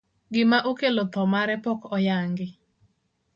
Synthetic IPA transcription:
ɡɪmaʔokelot̪ɔmaɾɛpɔkɔjaŋɡɪ

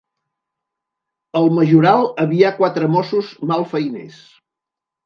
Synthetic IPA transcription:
əlˠməʒuɾalˠəβiakwat̪ɾəmɔsuzmalˠfəjnḛs

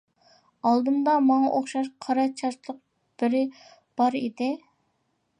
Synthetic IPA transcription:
ɑlˠd̪ɨmd̪ɑmɑŋɑʔoχʃɑʃqʰɑɾɑt͡ʃʰɑɾt̪lˠəq̚ | b̥ɪɾɪ | b̥ɑɾed̪ɪ

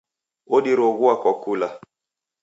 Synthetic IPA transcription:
oɗiɾoɣuakɔkula

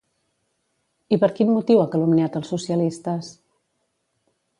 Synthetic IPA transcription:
ipəɾkinmut̪iwakəlumneat̪əlˠsusiəlist̪əs

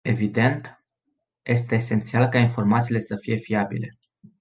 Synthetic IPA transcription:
e̞vid̪e̞nt̪ | jʔe̞st̪e̞ːse̞nt̪sialkainfo̞rmat̪sile̞səfije̞fiabḭle̞

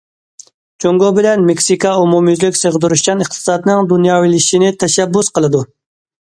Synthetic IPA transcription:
t͡ʃʰoŋɡobɪlɛnmɪkʲsikɑumumjyzlɪkʲsəʁəd̪uɾuʃkɑnɨχt̪ʰɨ̥sɑt̪nɨŋd̪unjɑːwilɪʃinɪt̪ʰɛʃɛbːusqəlˠɨd̪u

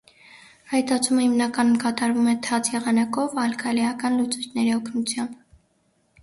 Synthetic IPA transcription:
hɑjt̪ɑt͡sʰuməhimnɑkɑnumkɑt̪ɑɾvumɛt̪ʰɑt͡sʰjɛʁɑnɑkɔvɑlkʰɑliɑkɑnlut͡sut͡ʃʰnɛɾiɔkʰnut͡sʰjɑmb

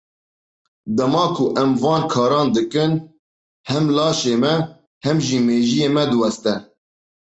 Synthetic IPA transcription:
d̪ɛmɑːkʰʊʔɛmvɑːnkʰɑːɾɑːnd̪ɨkɨn | hɛmlɑːʃeːmɛ | hɛmʒiːmeːʒijeːmɛd̪ɨwɛst̪ɛ

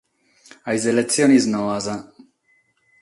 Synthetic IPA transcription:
ajzelet͡sjoniznoaza

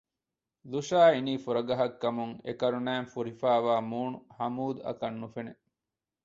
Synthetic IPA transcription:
luʃaːiniːfuɾɐɡɐɦɐkːɐmuŋḛkɐɾunæːmfuɾifæːʋaːmuːnuhɐmuːd̪ɐ̰kɐnːufene

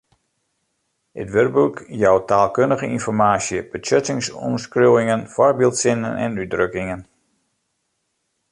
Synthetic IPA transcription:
ə̰tʋørbukjɔwtaːlˠkøndəɣəinfɔrmaːsjəb̥ət͡ʃøtɪŋsɔ̰mskrowɪŋənfɔrbilˠtsɪnə̰nʔɛ̰nydrøkɪŋən

